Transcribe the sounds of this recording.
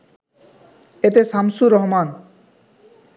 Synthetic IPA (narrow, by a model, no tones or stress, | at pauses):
et̪̬eʃamsuɾɔɦman